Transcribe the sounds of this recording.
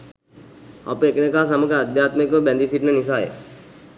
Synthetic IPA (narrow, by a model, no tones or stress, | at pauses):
a̰pəekənekaːs̬aməɡəad̪jaːt̪mekʋəbɛnd̪isiʈnənis̬aːjḛ